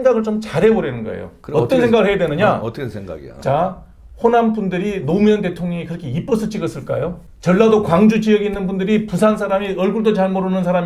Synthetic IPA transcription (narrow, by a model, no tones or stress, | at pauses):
eŋɡaɡɯɭt͡ɕomt͡ɕaɾɦe̞moɾenɯnɡʌ̰ḛjo̰ʌt͈ʌnsʰeŋɡaɡɯɭhejadwenɯɲatsʰeɡa̰ɡḭt͡ɕa | ɸonanbundɯɾinomjʌnt̬e̞tʰoŋɲŋikɯɾʌkʰe̞ip͈ʌs͈ʰɯt͡ɕʰiɡʌs͈ɯɭk͈a̰jo | t͡ɕʌɭːadokwaŋd͡ʑut͡ɕiʌɡiːnːɯnbundɯɾipusʰansʰaɾamiʌɭɡuɭdot͡ɕaɭmoɾɯnɯnsʰaɾam